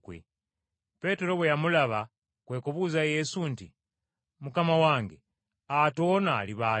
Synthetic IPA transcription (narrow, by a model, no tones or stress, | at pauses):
kwḛ | pe̞te̞ɾo̞βwejamulaβa | kwe̞ːkoβuzaje̞sunti | mukamawaːŋɡe | ato̞ːnaliβa